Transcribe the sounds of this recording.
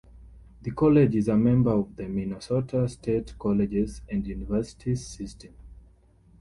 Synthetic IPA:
ðəkʰɔlɛd͡ʒizəmɛ̃mbə˞ɔvðəminɔsɔtʰastʰetkʰɔlɛd͡ʒɛzæ̃ndjunivɜ˞si̥tʰizsistʰɛ̃m

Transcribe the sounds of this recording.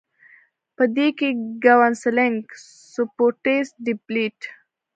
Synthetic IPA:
pəd̪ekeɡawanslɪŋk | supoʈesɖɪpliʈ

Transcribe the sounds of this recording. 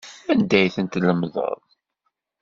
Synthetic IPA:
ænd̪æjθənt̪ləmðˤə̰ðˤ

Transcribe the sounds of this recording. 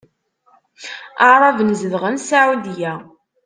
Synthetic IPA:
əʕɾˤɑvənzəðʁənsaʕud̪jæ

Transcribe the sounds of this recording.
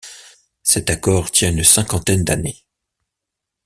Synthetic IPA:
sɛt̪akɔʁt̪jɛ̃ynsɛ̃kɑ̃t̪ɛnd̪ane

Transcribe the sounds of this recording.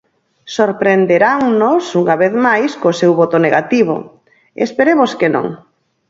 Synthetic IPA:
soɾpɾend̪eɾaŋnosuŋaβeθmajskosewβot̪oneɣat̪iβo̰ | ḛspeɾemoskenõ̰ŋ

